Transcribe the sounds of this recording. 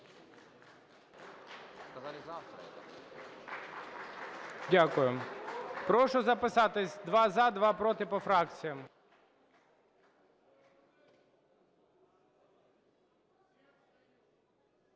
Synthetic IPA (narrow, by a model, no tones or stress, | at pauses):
dʲakʊjɪmpɾɔʂɔzɐpɪsat̪ɪsʲd̪ʋazad̪ʋapɾot̪ɪpɔfɾak̚t̪sɨjɐm